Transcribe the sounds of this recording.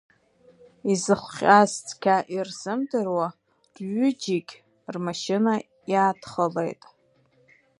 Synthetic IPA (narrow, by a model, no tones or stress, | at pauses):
izɨχʷʲʼazt͡sʰʼkʲʰaʔirz̥ɨmdɨrwa | dɥʏd͡ʒikʲʼ | rmaʃɪna | jaːdχəlḛjtʼ